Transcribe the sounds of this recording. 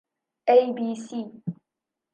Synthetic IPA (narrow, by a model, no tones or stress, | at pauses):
ʔejbiːsiː